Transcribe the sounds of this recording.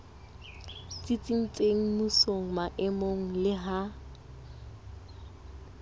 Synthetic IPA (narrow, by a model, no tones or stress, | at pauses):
t͡sʼit͡sʼin̩t͡sʼeŋ̩musoŋ̩maʔɪmoŋ̩lɪɦa